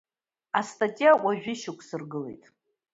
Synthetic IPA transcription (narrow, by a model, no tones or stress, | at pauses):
astʰʼatʼijawʷaʒᶣɪʃɪkʷʰsɨrɡɨle̞̰jtʼ